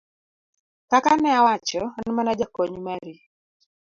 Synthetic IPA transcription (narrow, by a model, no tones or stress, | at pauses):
kakanɛawat͡ʃɔnmanad͡ʒakoɲmaɾi